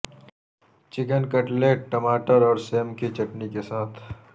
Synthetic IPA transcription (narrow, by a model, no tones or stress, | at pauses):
t͡ʃɪk̬ənkɐʈleːʈʈɐmaːʈəɾɔːɾseːmkit͡ʃɐʈnikesaːt̪ʰ